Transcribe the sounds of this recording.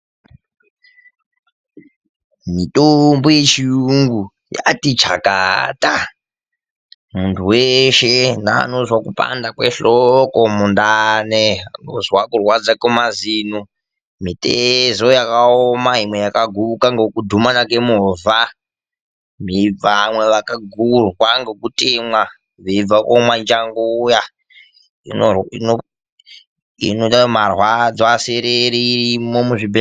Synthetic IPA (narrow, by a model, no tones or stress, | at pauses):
mitʼombojet͡ʃiuŋɡu | ja̰tit͡ʃa̰ka̰tʼa | muntʰuweʃena̰ːnozwakupʼa̰ndakwḛɬokomundaneano̰zwakurwad͡zakomazino | mitʼezojakaomaɦimwe̞jakaɡʱuukaŋɡekudʱumanakemuvʱa | miamweʋakaɡʱurwaŋɡekutʼemwa | ʋeb͡vakomwand͡ʒaŋɡuja | ḭnoino | ḭnoamarwad͡zaseɾeɾiimomuʐibe